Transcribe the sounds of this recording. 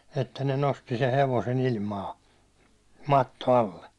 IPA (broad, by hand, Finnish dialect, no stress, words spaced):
etːæ ne nosti se heʋosen ilmɑː mɑtːo ɑlːe